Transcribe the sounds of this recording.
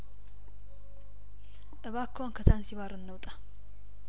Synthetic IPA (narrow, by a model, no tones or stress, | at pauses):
ʔɨβakʰːəwankʰət̪ʰansiβaɾɨnːəwt̪ʼḁ